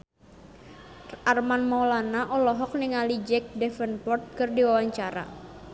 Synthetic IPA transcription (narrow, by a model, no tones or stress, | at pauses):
ʔarmanmalanaʔɔlɔɦɔk̚niŋalid͡ʒɛk̚dɛfənpɔrt̪̚kərdiwawaɲt͡ʃaɾa̰